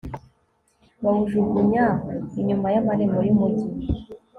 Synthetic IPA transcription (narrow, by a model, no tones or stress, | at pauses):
βauʒuɡuɲaiɲumajamaɾemojimuti